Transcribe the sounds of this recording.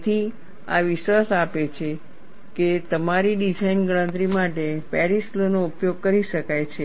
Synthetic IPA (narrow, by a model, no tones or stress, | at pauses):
t̪ʰi | a̰ʋɪʃʋasapet͡ʃʰe | ket̪əmaɾiɖid͡ʒainɡəɭ̃ə̃nt̪ɾimaʈepɛɾislonoupjoɡ̚kəɾiʃəkajt͡ʃʰe